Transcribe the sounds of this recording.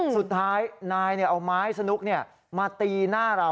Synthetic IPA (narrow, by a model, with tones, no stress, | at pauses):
su˨˩t̪̚ʰːaː˦˥jnaː˧jni˥˩ɐʔa˧wmaː˦˥jsa˧nu˦˥k̚ni˥˩ɐ | maː˧t̪iː˧naː˥˩ɾa˧